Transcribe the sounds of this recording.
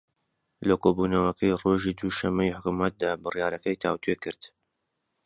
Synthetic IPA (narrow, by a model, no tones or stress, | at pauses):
lɐkoːbuːnɐwɐkʰɐjroʒiːd̪uʃɐmːɐjħʊkumɐt̪̚d̪aːbɨrjaːɾɐkɐjt̪ʰaːwt̪ʰuekɨɾd̪̥